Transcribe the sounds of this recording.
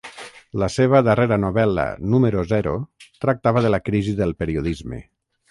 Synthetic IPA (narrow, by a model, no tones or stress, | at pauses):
ləseβ̞əðəreɾənuβɛlə̰numəɾozɛɾot̪ɾak̚t̪aβəðəlakɾiziðəlˠpeɾioðizmḛ